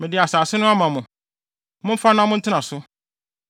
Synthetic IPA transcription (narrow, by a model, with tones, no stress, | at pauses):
mɪ̃˨dɪ˨a˨saː˨sɪ˦nʊ̃˦a˦mã˨mʊ̃˨ | mʊ̃˦m̩˦fa˦nʊ̃˦a˦mʊ̃˦n̩˦tʰɪ˦nã˨sʊ˦